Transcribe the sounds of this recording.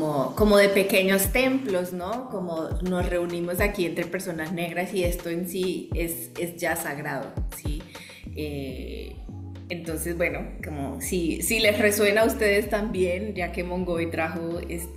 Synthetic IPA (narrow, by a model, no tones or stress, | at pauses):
oko̞mo̞ðe̞pe̞ke̞ɲo̞st̪e̞mplo̞sno̞ko̞mono̞sre̞unimo̞zakie̞nt̪ɾe̞pe̞ɾso̞nazne̞ɣɾasie̞st̪o̞e̞nsie̞s | e̞zd͡ʒasaɣɾaðo̰si | e | ent̪o̞nse̞zbwe̞noko̞mo̰sisile̞sre̞swe̞naust̪e̞ð̞e̞st̪ambje̞nd͡ʒake̞mõŋɡo̞it̪ɾaxoest̪